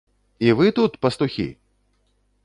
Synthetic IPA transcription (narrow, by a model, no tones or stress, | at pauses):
ivɨt̪ut̪pɐst̪uxʲḭ